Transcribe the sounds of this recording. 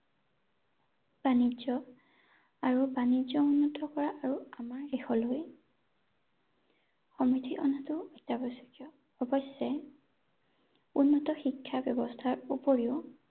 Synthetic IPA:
b̥anizɔ | aɹubanizɔunːɔtɔkɔɹaʔaɹuamaɹːexɔloj | xɔmitʰiʔɔnatʊɔjtːabɔsɔ̥kijɔ | ɔbɔsɛ | unːɔtɔxikʰːabjɔbɔstʰaɹupoɹiʊ

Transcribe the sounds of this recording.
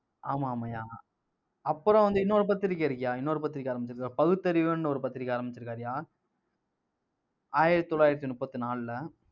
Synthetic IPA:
ʔaːmaːmɐjaː | ɐpːɯɾõʋɐnd̪ɯɪnːɐɔɾɯp̬ɐt̪ːɪɾɪkːɐɪɾɯkːɐjaːɪnːɐːɾɯp̬ɐt̪ːɪɾɪkʲːaːɾɐmbɪt͡ʃːɪɾɯkːaːɾpɐɣɯt̪ːɐɾiʋɯnːɔɾɯpɐt̪ːɪɾɪkʲːaːɾɐmbɪt͡ʃːɪɾɯkːaːɾɪjaː | aːjɪɾɐt̪ɯt̪ːɔlːaːjɪɾɐt̪ːinʊpːɐt̪ːɯnaːllɐ

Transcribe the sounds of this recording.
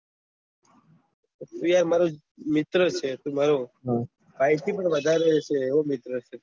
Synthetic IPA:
t̪ũjaɾmaɾo | mɪt̪ɾət͡ʃʰet̪umaɾo | pajt̪ʰipəɳʋəd̪ʱaɾet͡ʃʰeːʋomɪt̪ɾət͡ʃʰe

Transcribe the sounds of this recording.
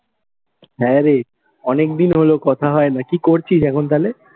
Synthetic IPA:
ɦɛ̃ɾe | ɔnek̚d̪inɦolokɔt̪ʰaɦɔenakikoɾt͡ɕʰiʃɛkʰont̪ale

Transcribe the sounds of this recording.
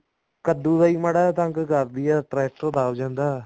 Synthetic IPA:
kəd̪ũːd̪aːiːməɽaːt̪ãŋkkəɾd̪ɪjaːʈɾɛːʈ̚t̪õːd̪aːʋd͡ʒãːnd̪aː

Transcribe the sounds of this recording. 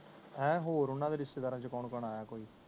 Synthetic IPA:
ɛ̃ːɦoːɾʊnːãːd̪eːɾɪst̪eːd̪aːɾãːt͡ʃəkɔːnkɔnaːjaːkoːiː

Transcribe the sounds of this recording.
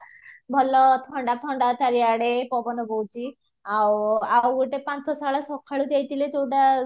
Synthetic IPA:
bʱɔlɔt̪ʰɔɳɖat̪ʰɔɳɖataɾiaɽepɔbɔnɔbowt͡ʃi | awawɡuʈepãt͡sɔsaɭasɔkʰːaɭud͡ʒajt̪iletowʈa

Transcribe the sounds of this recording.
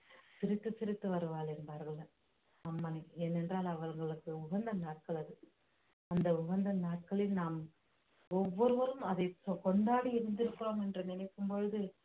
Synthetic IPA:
sɪɾɪt̪ːɯsɪɾɪt̪ːɯʋɐɾɯʋaːlɛnbaːɾɣɐɭ | ɐmːɐnɐɛnːɛndraːlɐʋɐlŋɡɐɭɯkːɯʊɣɐnd̪ɐnaːʈ̚kɐɭɐðɯ | ɐnd̪ɐʊɣɐnd̪ɐnaːʈ̚kɐɭɪlnaːm | ɔʋːɔɾɯʋɐɾɯmɐðɐɪkɔɳɖaːɽiɪɾɯnd̪ɪɾɯkːɯɾoːmɛndrɯnɪnɐɪkːɯmpɔɻɯðɯ

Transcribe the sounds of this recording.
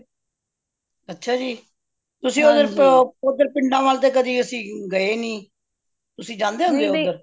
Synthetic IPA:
ətːʃʰaːd͡ʒiː | t̪ʊsĩːod̪əɾod̪əɾpɪɳɖãːʋaːlt̪eːkəd̪iːəsĩːɡəeːnĩː | t̪ʊsĩːd͡ʒãːnd̪eːɦʊ̃nd̪eːʊd̪əɾ

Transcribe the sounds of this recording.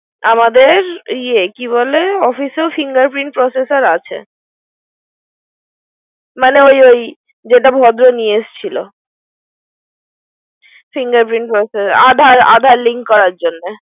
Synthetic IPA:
amad̪eɾiekiβoleɔfisofiŋɡaɾpɾiɳʈ̚pɾɔsesaɾat͡ɕʰḛ | maneojoj | d͡ʑeʈ̬abʱɔd̪ɾoniest͡ɕʰilo̰ | fiŋɡaɾpɾiɳʈ̚pɾɔsesaa̰d̪ʱaɾa̰d̪ʱaɾliŋkkɔɾaɾd͡ʑonːe

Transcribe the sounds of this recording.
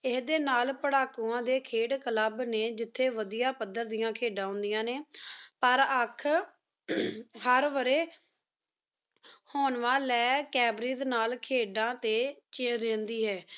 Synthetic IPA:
ɪsd̪eːnaːlpəɽaːkuːãːd̪eːkʰeːɽkələbneːd͡ʒɪt̪ʰːeːʋəd̪ijaːpəd̪ːəɾd̪ɪjãːkʰeːɖãːɦʊ̃nd̪ɪjãːneːpəɾəkʰ | həɾʋəɾeː | hoːnʋãːlɛːkɛːbɾiːznaːlkʰeːɖãːt̪eːt͡ʃẽːɾẽːnd̪iːɦɛː

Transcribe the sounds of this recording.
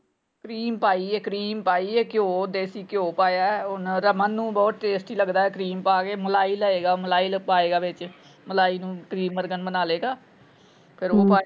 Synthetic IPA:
kɾiːmpaːiːɛːkɾiːmpaːiːeːkɪjoːd̪eːsiːkjoːpaːjaːɛʊnɾəmənːũːbɔːt̪̚ʈeːsʈiːləɡd̪aːɛːkɾiːmpaːɡeːməlaːiːləeːɡaːməlaːiːlpaːeːɡaːʋɪt͡ʃ | məlaːiːnũːkɾiːmːəɾɡənbənaːleːɡaː | pʰɪɾoːpaː

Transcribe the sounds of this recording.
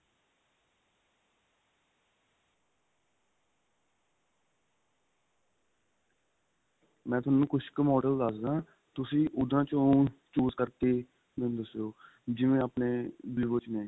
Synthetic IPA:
mɛ̃ːt̪ʊaːnũːkʰʊʃkəmɔːɖəld̪əsd̪ãː | t̪ʊsĩːʔʊd̪ãːt͡ʃõt͡ʃuːzkəɾt̪eː | nẽd̪əsjoː | d͡ʒɪʋẽːapneːbiːʋoːt͡ʃnẽː

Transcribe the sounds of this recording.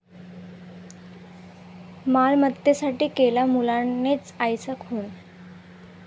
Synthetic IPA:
malmət̪ːesaʈiːkelamulanːet͡sajsəkʰuːn

